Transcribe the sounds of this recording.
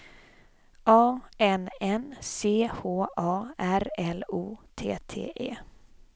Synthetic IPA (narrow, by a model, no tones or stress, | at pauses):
ʔɑːɛnɛnseːhoːʔɑːæɾɛluːt̪ʰḛːt̪ʰḛːʔḛː